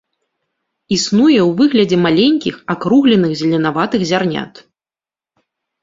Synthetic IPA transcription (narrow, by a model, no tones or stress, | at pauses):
isnujɛwvɨɣlʲɐd͡zʲɛmalʲenʲkʲixakɾuɣlʲɛnɨɣzʲlʲɛnavat̪ɨɣzʲarnʲa̰t̪